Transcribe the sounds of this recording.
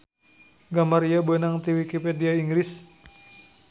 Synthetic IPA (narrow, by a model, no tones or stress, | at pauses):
ɡamaɾiabuɛnaŋt̪iwikipediaiŋɡɾis